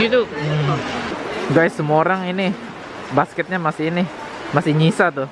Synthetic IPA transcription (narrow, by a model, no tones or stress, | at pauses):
ɡit̪u | ɡajsəmuaoɾaŋinɪ | baskɛt̪̚ɲamasɪinɪ | masɪhɲisat̪ʊ